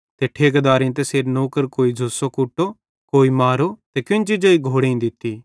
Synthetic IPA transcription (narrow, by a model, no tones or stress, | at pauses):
t̪eːʈʰeːkɐd̪aːɾẽt̪eseːɾnoːkəɾkoːid͡ʒʱusokʊʈːo | koːimaːɾot̪ekɪ̃nd͡ʒid͡ʒoːiɡʱoːɽeĩd̪ɪt̪ːiː